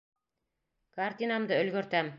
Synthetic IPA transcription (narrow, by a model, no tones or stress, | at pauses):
kart̪ʲinamd̪ɤɵ̆lɡɵ̆ɾt̪æm